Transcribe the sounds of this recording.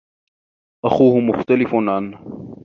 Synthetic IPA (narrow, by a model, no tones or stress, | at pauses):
ʔaxuːhʊmʊxt̪alɪfʊnʕan